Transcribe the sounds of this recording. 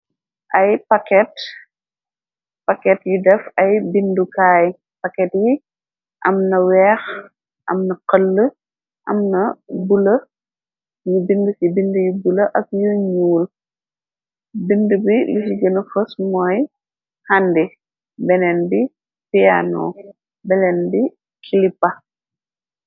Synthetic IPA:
ʔɐjpɐkɛt | pɐkɛtjudɛfɐjbindukaːj | pɐkɛtji | ʔɐmnɐwɛːx | ʔɐ̰mnɐqəlːə | ʔɐ̰mnɐbulɐ | jubindusibindujubulɐʔɐk̚juɲuːl | bindəbilisiɡənəfəsmɔːj | handi | bɛnɛnbi | pia̰nɔ̰ | bɛnɛnbi | kʰilipːɐ

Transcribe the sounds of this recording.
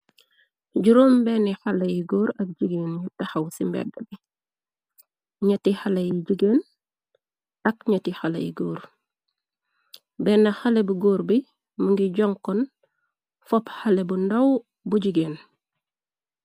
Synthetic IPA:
ɟuɾoːmbɛnixɐlɐjiɡoːɾɐk̚ɟiɡeːnɲutɐxɐwsimbɛ̰dːɐbi | ɲɐtihɐlɐjiɟiɡeːn | ɐk̚ɲɐtixɐlɐ̰jḭɡoːɾ | bɛːnːɐxɐlebuɡoːɾbi | məŋɡiɟɔŋkɔn | fɔphɐlebundɐw | buɟiɡeːn

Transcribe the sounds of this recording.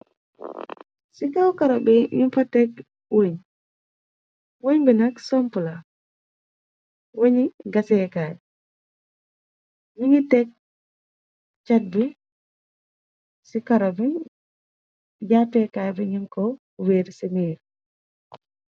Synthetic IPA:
siɡawkaɾabɛɲimfatɛk | woɲ | woɲbɛnaksɔmpula | woɲiɡasɛkaj | wiɲitɛk̚ | t͡ʃat̚bɛ | sikaɾabɛ | d͡ʒatɛkajbɛɲimkɔ | weɾseniːɾ

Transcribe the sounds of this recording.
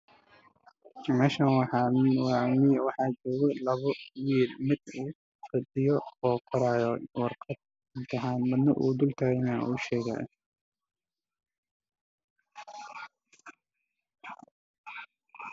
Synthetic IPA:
mɛːʃɐnwwɑmɪwɑħɑːt͡ʃɔːɣɔlɐβɔwiːlmɪd̪uː | fɪd̪ɪjɔːkʰɐɾaːjɔwɑrqɑd̪̥̚ | ɪnt̪ʰɪɦaːnbɐd̪nɐʔṵːd̪ʊlt̪ʰaːɣɪnɐ̰ʊʃɛːɣa̰ːj̰

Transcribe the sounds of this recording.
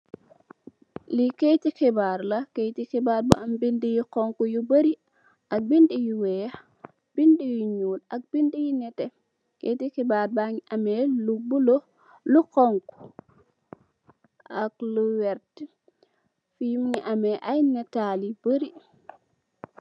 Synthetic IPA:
likejtixɛbaɾlakejtixɛbaɾba̰ambindijikɔŋkujubəɾi | ʔak̚bindijuwɛ | b̥indijuɲuːlak̚b̥indijinɛtɛ | kḛjtikɛbaːɾbaŋiʔamɛlubulo | lukɔŋku̥ | akluwɛɾt | fijmŋiʔamɛʔajnɛtalibəɾi

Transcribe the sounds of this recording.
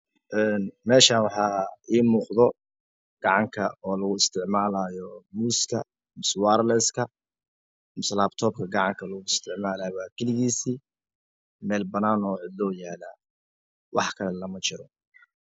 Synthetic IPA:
ʔɛːnmɛːʃaːnwɑħɑːiːmuːqðɔ | ɡ̥ɑʕɑŋkʰɐɔːlɐɣʊɪst̪ʰɪʕmaːlaːjɔmuːskʰɐ̰ | mɪswaːɾlɛskʰɐ | mɪslaːbt̪ʰɔːbkʰɐɡɑʕɑŋkʰɐlɐɣʊɪst̪ʰɪʕmaːlaːjwaːkʰɛlɪɣiːsiː | mɛːlbɐnaːnɔːʕɪd̪lɔːjaːlaː | wʔɑ̰ħkʰɐlɛlɐmɐt͡ʃɪɾɔ

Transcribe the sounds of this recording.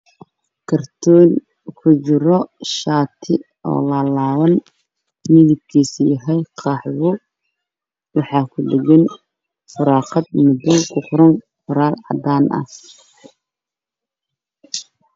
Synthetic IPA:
kʰɐrt̪ʰɔːn | kʰʊt͡ʃɪɾɔʃaːt̪ʰɪ | ɔ̰ːlɐlaːβɐn | mɪðɪb̚kʰiːsjɐɦɛjqʰɑːħwʊ | wɑħɑːkʰʊɖɪɡɛn | fʊɾɑːqɑd̪mʊd̪ɔkʰʊqɾɐŋqʊɾaːlʕɑ̰d̪aːnʔɐ̰

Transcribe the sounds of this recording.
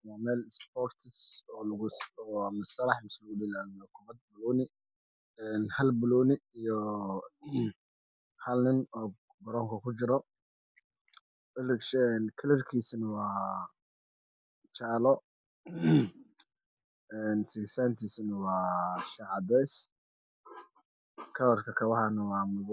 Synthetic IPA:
wɑːmɛːlɪspɔːkt̪ʰɪsɔːlɐɣʊsɔːmɐsɐlɑħmɪsluɡʊdɪlaːnɔkʰʊβɐd̪̚bʊlɔːnɪ | ɛːnhɐlbʊlɔːnɪijɔ | hɐlnɪnɔː | bɐɾɔːŋkʰɐkʰʊt͡ʃɪɾɔ | ɛlʃɛnkʰɐlɐrkʰiːsɐnɐwɑː | t͡ʃaːlɔ | ɛːnsɪɡsaːnt̪ʰiːsnɐwɑːʃɐʕɑdɛs | kʰɐlɐrkʰɐkʰɐwɑħɑnɐwɑːmʊβ

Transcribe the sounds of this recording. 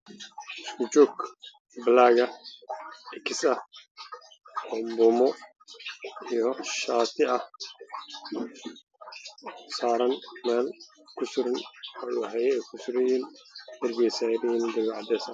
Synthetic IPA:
ʔɪskʰʊt͡ʃɔːɡ | bɐlaːɣɐ | ɛkʰɪsɐh | ɔmbɔːmɔ | ijɔʃaːt̪ʰɪʔɐh | saːɾɐnmɛːl | kʰʊsʊɾɐnjħɛjɛɛkʰʊsʊɾɛjɛːndɐrɡɛjsadind̪ɐɡʕɑd̪ɛːsɐ

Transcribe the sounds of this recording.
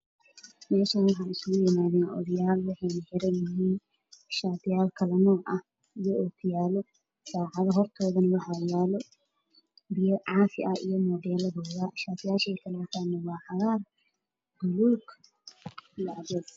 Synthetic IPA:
mɛːʃɐnwɑħɑːnɪsʊɣʊjɪmaːðɛːnʔɔ̰ðɐjaːlwɑħɑjnɐħɪɾɛnjɪɦiːn | ʃaːt̪ɪjaːlkʰɐlɐnɔːʕʔɐh | ijɔʔoːkʰʊjaːlɔ | ʃaːʕɑðɐɦɔrt̪ʰɔːðɐnɐwɑħaːjaːlɔ | bɪjɐʕɑːfɪʔɐḭjɔmɔd̪ɛːlɐdɔːðɐʃaːt̪ɪjaːʃɛjkʰɐlaːt̪ʰaːnɐwɑːħɑɣaːr | d̪ʊluːɡ | ijɔʕɑdɛːd̪

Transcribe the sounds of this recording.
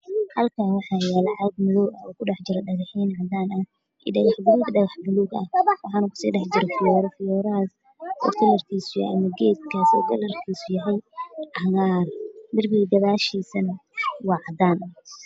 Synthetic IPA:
hɐlkʰaːnwɑħɑːjaːlɑʕɑɡmɪðɔːwɐɔːkʰʊɖɑħd͡ʒɪɾɐɖɐɣɪħiːnʕɑd̪aːnɐh | ʔḭːɖɐɣɑħbʊluːɡɖɐɣɑħbʊluːɡɐ̰wʔɑħɑːnukʰʊ̥sḭːɖɛħd͡ʒɪɾɛfɪjɔːɾɔfɪjɔːɾɐaːs | ɔ̰ːt̪ʰɪlɐrkʰiːsʊjhɐmɐɡɛːd̪̚kʰaːsɔ̰ːɡɐlɐrkʰiːsʊjɐɦɛjʕɐɣaːrmɪrbɪɣɡ̪ɐðaːʃiːsɐnwɑːʕɑd̪aːnɐ

